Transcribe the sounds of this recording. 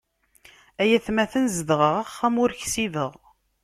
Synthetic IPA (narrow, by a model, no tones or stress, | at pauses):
æjæθmæθənzəðʁəʁæχːæmʊɾçsiðəʁ